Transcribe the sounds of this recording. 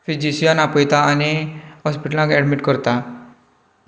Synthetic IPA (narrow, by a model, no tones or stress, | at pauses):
fid͡ʒisijanapɔjt̪aːneɦɔspiʈəlãkɛɖmiʈkɔɾt̪a